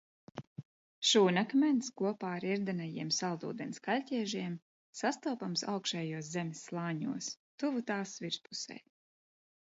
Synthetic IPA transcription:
ʃuːnakmʲɛnt̪skuɔpaːaɾiɾd̪anajiɛmsalˠd̪ṵːd̪ɛnskalʲcʲɛɛʒiɛm | sast̪upamsa̰wkʃɛːjuɔs̬zɛmʲisːlˠaːɲṵɔs | t̪uvut̪aːsviɾspu̥sɛ̰j

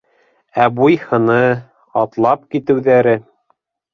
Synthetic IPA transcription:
æbujhɤ̆nɤ | ɑt̪lˠɑp̚kit̪ɘ̆wðæɾɘ

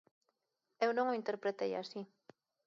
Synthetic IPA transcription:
ewnõŋoint̪eɾpɾet̪eja̰si

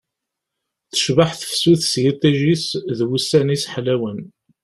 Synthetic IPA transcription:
θə̥ʃvaħθə̥fsuθsjit̪æʒisðwusːænisħlæwən

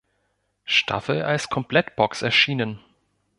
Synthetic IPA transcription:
ʃtʰa̰fl̩alskʰɔmpʰl̥ɛtb̥ɔksɛɐʃiːnən

